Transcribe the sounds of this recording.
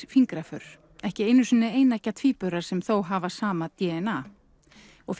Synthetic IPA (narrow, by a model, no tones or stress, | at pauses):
fiŋkɾafʏɾ̥ | ɛhcɪejnːʏsʏnːɪeːjnacːat̪ʰviːpʏɾaɾ̥sɛmθowɦavasaːmat̪jɛːɛna | ɔɣf